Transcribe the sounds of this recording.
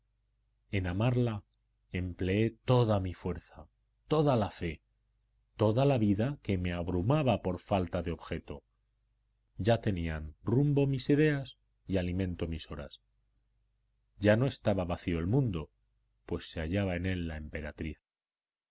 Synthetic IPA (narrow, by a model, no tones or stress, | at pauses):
e̞namaɾla | e̞mple̞e̞t̪o̞ðamifwe̞ɾθa | t̪o̞ðalafe̞ | t̪o̞ðalaβiðake̞me̞aβɾumaβapo̞ɾfalt̪aðeo̞βxe̞t̪o̞̰ | ɟ͡ʝat̪e̞nianrumbo̞misiðe̞as | ialimẽ̞nt̪o̞miso̞ɾa̰s | ɟ͡ʝano̞e̞st̪aβaβaθio̞elmũnd̪o̞ | pwe̞sːeaʝaβae̞ne̞lːaempe̞ɾat̪ɾiθ